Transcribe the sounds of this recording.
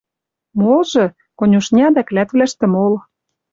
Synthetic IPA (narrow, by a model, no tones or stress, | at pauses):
molʒɤ̆ | konʲuʃnʲɑd̪æklæt̪βlæʃt̪ə̆mol